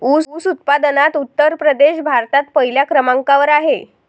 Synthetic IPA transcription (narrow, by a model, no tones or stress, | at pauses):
uːuːsut̪̚pad̪nat̪ut̪ːəɾpɾəd̪eɕbʱaɾt̪at̪̚pəɦiljakɾəmaŋkaʋəɾaɦe